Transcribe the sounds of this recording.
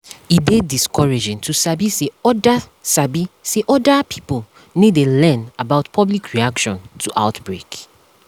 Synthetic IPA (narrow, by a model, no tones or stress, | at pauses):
idediskʰɔɹed͡ʒĩntʰusabiseɔdasabiseʔɔdapʰi̥po | nidelɛ̃nabaʊtpʰɔblikʰɹiakʃɔ̃ntʰuʔa̰ʊtbɹek